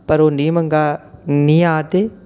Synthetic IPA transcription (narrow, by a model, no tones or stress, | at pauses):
pɐɾoːniːmɐ̃ŋɡaːniːaːt̪eː